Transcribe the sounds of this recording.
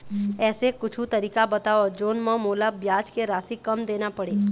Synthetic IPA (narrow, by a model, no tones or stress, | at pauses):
ɛːsekʊt͡ʃʰut̪ɐɾiːkabɐt̪aːod͡ʒoːnmɔ̃moːlabjaːt͡ʃkeɾaːsikɐmd̪eːnapɐɽeː